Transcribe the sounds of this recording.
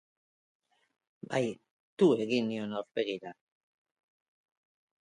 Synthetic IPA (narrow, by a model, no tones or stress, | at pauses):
baj | t̪ue̞ɣinionawɾpeɣiɾa